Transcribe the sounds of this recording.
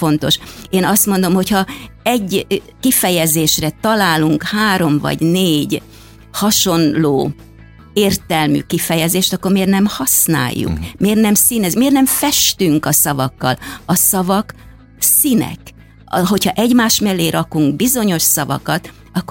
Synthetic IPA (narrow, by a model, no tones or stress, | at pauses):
fo̞n̪t̪o̞ʃeːnɒst̪mo̞nd̪o̞mho̞chɒɛɟː | kifɛjɛzeːʃrɛt̪ɒlaːluŋkhaːɾo̞mvɒ̰ɟneːɟ | hɒʃo̞nloː | eːrt̪ɛlmy̰kifɛjɛzeːʃt̪ɒkːormeːrnɛmhɒsna̰ːjːṵkmeːrnɛmsinɛzmeːrnɛɱfɛʃt̪yŋkɒsɒvɒkːɒ̰lɒsɒvɒk | sinɛ̰k | ɦo̞chɒʔɛɟmaːʃmɛlːeːɾʔɒkuŋɡbizo̞ɲo̞ʃsɒvɒ̰kɒt̪ | ɒkː